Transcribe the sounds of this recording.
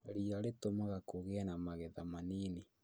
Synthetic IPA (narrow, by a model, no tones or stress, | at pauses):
ɾiːɾaɾetomaɣakoɣeanamaɣeðamaniːni